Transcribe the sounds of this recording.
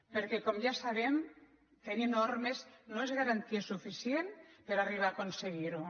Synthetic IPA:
peɾkekomjasaβem | t̪enenoɾmesnoezɣaɾant̪iesufisjenpeɾariβ̞aːkonseɣiɾu

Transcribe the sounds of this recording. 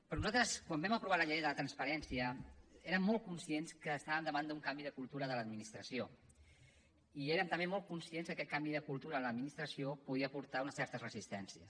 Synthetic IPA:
pɾɔnuzalt̪ɾəskwambɛməpɾuβaləʎɛjðələt̪ɾənspəɾɛnsiəeɾəmːɔlˠt̪̚kunsienskəːst̪aβəmd̪əβand̪uŋkambiðəkulˠt̪uɾəðələd̪minist̪ɾəsio | ieɾəmt̪əmbemɔlˠt̪̚kunsienzðəkɛt̪̚kambiðəkulˠt̪uɾənləd̪minist̪ɾəsiopuðiəpuɾt̪aunəsɛɾt̪əzrəzist̪ɛnsiəs

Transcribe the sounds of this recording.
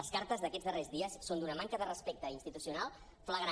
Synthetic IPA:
əskaɾt̪əzðəkɛd͡zðərezðiəsːond̪unəmaŋkəðərəspɛk̚t̪əinst̪it̪usiunalˠ | fləɣɾa

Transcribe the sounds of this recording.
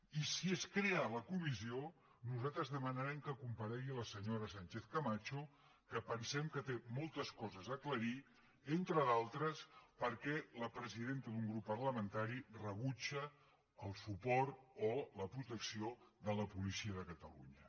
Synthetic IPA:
isieskɾealəkumizio | nuzat̪ɾəzðəmənəɾɛmkəkumpəɾɛɣiləsəɲoɾəsant͡ʃeθkəmat͡ʃo | kəpənsɛmkət̪emɔlˠt̪əskɔzəzəkləɾi | ent̪ɾəðalˠt̪ɾəspəɾkɛləpɾəziðent̪əðuŋɡɾupːərləmənt̪aɾirəβut͡ʃəː | lˠsupɔɾt̪oləpɾut̪əksioðələpulisiəðəkət̪ə̰lṵɲə

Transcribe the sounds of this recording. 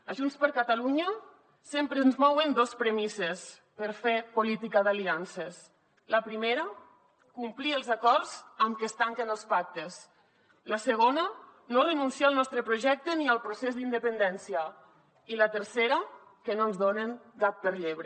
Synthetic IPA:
əʒunspəɾkat̪aluɲə | sempɾenzmɔwənd̪ospɾəmises | pəɾfepulit̪ikaðalianses | ləpɾimeɾə | kumpliəlˠzakɔɾzəmkest̪aŋkenəlˠspak̚t̪es | ləsəɣ̞onə | nolənunsialˠnɔst̪ɾəpɾuʒɛk̚t̪əniəlˠpɾusezd̪ind̪əpənd̪ɛnsiə | ilət̪əɾseɾa | kənonzðoneŋkap̚pəɾʎeβɾe

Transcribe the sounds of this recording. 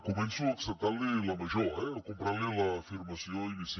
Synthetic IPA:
komẽnsuɐksɛt̪alɪlɐmɐʒɔɛkõmpɾalilɐfiɾmɐsiɐ̃ĩnis

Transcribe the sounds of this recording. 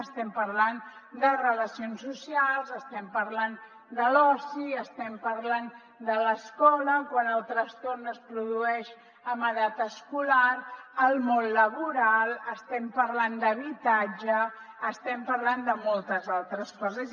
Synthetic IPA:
əst̪ɛmpəɾland̪ərələsionsːusialˠzəst̪ɛmpəɾlan | d̪əlɔsiəst̪ɛmpəɾlan | d̪ələskɔləkwanəlˠt̪ɾəst̪ornəspɾuðuɛʃ | əməðat̪əskulaɾəlˠmonləβuɾalˠəst̪ɛmpəɾland̪əβ̞it̪ad͡ʒəː | st̪ɛmpəɾland̪əmolˠt̪əzalˠt̪ɾəskɔzəz

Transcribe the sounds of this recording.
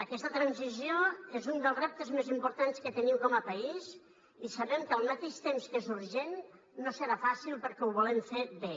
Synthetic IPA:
əkɛst̪ət̪ɾanzizioezund̪əlˠzrɛp̚t̪əzmezimpuɾt̪anskət̪əniwkɔməpaiz | isaβɛmkəlˠmat̪eʃt̪emskezuɾʒenː | osəɾafasilˠpəɾkɛwβulemfeβe

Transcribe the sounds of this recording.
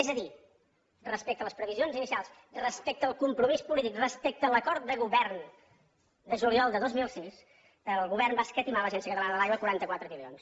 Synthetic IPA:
ɛzəði | rəspɛk̚t̪ələspɾəβizionzinisialˠs | rəspɛk̚t̪əlˠkumpɾumispulit̪ikrəspɛk̚t̪ələkɔɾt̪̚d̪əɣuβɛrn | d̪əʒuliɔlˠd̪əðozmilˠsis | əlˠɣuβɛrnbaskət̪imaləʒɛnsiəkət̪əlanəðəlajβwəkuɾant̪əkwat̪ɾəmilions

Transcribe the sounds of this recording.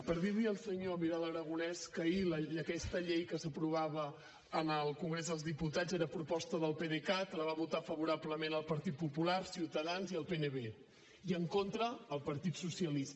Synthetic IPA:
pəɾðiðiəlˠsəɲomiɾalˠəɾəɣ̞unɛskəiləəkɛst̪əʎejkəsəpɾuβ̞aβəː | nəlˠkuŋɡɾezðəlˠzðiput̪azeɾəpɾupɔst̪əðəlˠpeðekat̪ləβaβut̪afəβuɾabləmenəlˠpəɾt̪it̪̚pupulaɾsiwt̪əðanziəlˠpenəβe | iəŋkont̪ɾəːlˠpəɾt̪it̪susiəlis

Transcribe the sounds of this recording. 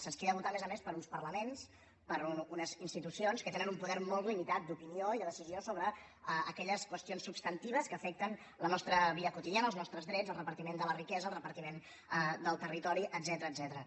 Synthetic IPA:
sənskeðəβut̪amezəmespəɾunspərləmens | pəɾununəzinst̪it̪usionskət̪enənumpuðɛɾmɔlˠt̪limit̪at̪̚d̪upinioiðəðəsiziosoβɾəː | kɛʎəskwəst̪ionsːubst̪ənt̪iβ̞əskəːfɛk̚t̪ən | lənɔst̪ɾəβiəkut̪iðianəlˠznɔst̪ɾəzðɾɛzəlˠrəpəɾt̪imend̪ələrikɛzəːlˠrəpəɾt̪imen | d̪əlˠt̪ərit̪ɔɾiʔəd̪zɛt̪əɾəːdzɛt̪əɾə

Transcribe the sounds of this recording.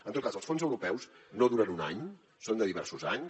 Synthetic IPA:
ənt̪ot̪̚kazəlˠsfonzəwɾupɛwsnoðuɾənunaɲ | sond̪əðiβɛɾsuzaɲ

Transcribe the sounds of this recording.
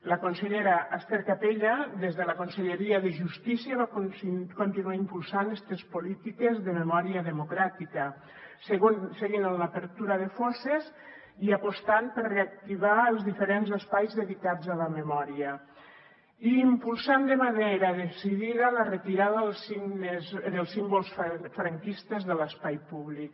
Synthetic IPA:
lakonseʎeɾaʔast̪eɾkapeʎad̪ezðelakonseʎeɾiaðeʒust̪isiaβakkont̪inuaimpulˠsanɛst̪espolit̪ikezðəmemɔɾiaðemokɾat̪ika | seɣonseɣinanlapeɾt̪uɾað̞efɔsez | iapost̪ampəɾreak̚t̪iβaelˠzðifeɾenzəspajzðeðikad͡zzaləmemɔɾiə | iːmpulˠsand̪emaðejɾaðesiðiðalaret̪iɾaðəðelsinezðelˠsːimbolˠsffɾaŋkist̪ezðələspajpuβlik̚

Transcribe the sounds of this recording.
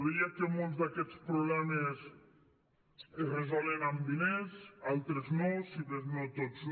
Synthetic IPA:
ðiakemolˠzd̪akɛt͡spɾuβlɛmes | erezoleɾambinesalˠt̪ɾeznosiðeznot̪oz

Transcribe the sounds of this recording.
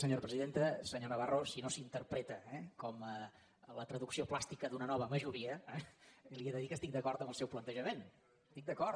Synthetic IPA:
səɲoɾəpɾəziðent̪əsəɲonəβarosinosint̪əɾpɾɛt̪əɛkɔmə | lət̪ɾəðuksioplast̪ikəðunənɔβəməʒuɾiəɛlˠiəðəðikəst̪ik̚d̪əkɔɾt̪əmbəlˠsɛwplənt̪əʒəmen | st̪ik̚d̪əkɔɾ

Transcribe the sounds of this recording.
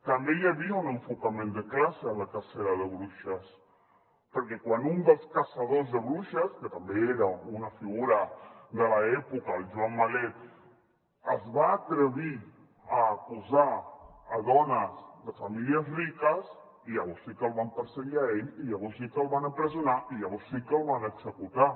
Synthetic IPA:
t̪əmbejaβiaunəɱfukəmẽnd̪əklasəːnləkaseɾəðəβɾuʃəs | pəɾkɛkwanund̪əlˠskasað̞ozðəβɾuʃəskət̪əmbeeɾəunafiɣuɾəðəlaɛpukalˠʒuamːale | əzβaːt̪ɾəβ̞i | əːkuzaː | ðɔnəzðəfamiliəzrikəs | iʎəβɔɾsikəlˠβampəɾsəɣiaeʎiʎəβɔɾsikəlˠβanəpɾəzunaʔiʎəβ̞ɔɾsikəlˠβanəɡz̥əkut̪a

